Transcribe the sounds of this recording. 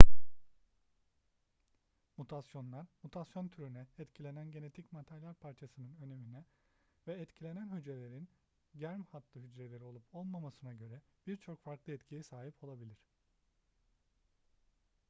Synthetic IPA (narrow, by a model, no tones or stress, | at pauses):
mut̪ʰasjo̞nlˠaɾmut̪ʰasjo̞nt̪ʰyɾynɛɛt̪cʰilʲe̞nænɟe̞ne̞t̪ʰicmat̪ʰaɾlʲaɾpʰaɾt͡ʃʰasɯnɯnø̞ne̞minɛ | vɛːt̪cʰilʲe̞nænɦyd͡ʒɾe̞lʲe̞ɾin | ɟæɾmhat̪lˠɯɦyd͡ʒɾe̞lʲe̞ɾio̞lˠupʰo̞lˠmamasɯnaɟø̞ɾɛb̥iɾt͡ʃʰo̞kfaɾklˠɯɛt̪cʰijɛsaːɦipʰo̞lˠabilʲiɾ̝̥